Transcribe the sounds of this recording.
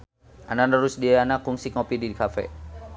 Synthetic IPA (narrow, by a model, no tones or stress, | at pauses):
ananəɾusdianakuŋsikopididikafɛ̰